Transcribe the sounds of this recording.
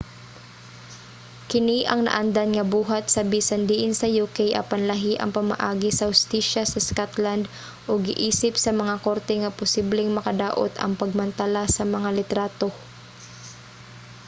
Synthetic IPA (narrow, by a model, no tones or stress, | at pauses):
kɪniʔɐŋnɐ̰ʔand̪anŋɐbuːɦat̪̚sɐbiːsɐnd̪iʔɪnsɐjukɛjʔɐ̰pɐnlɐɦiʔɐ̰ŋpɐmɐ̰ʔaːɡɪsɐhʊst̪iʃasɐskat̪land̪ | ʔoɡɪʔiːsɪp̚sɐmɐŋako̞ɾt̪ɛŋɐpʊsiblɛŋmɐkɐd̪aːʔo̰t̪ɐ̰ŋpɐɡ̚mɐnt̪ɐlasɐmɐŋalɪt̪ɾaːt̪o̞